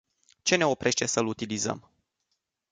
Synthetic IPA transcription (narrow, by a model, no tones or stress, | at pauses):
t͡ʃe̞ne̞o̞pɾʔe̞ʃt̪e̞səlut̪ilizə̰m